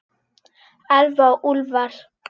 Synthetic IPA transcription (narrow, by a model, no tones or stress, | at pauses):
alvaʔulvar